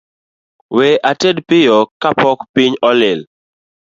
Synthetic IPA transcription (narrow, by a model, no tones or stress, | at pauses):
weʔatedpɪjɔkapɔkpiɲɔlɪl